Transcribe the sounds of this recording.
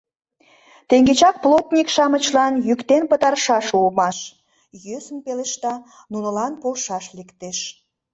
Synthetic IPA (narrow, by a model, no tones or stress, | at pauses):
t̪eŋɡet͡ɕɑk̚plot̪nʲikʃɑmət͡ɕlɑnjykt̪enpət̪ɑrʃɑʃulmɑʃ | jøsəmpeleʃt̪ɑ | nunə̆lɑnpolʃɑʃlekt̪eʃ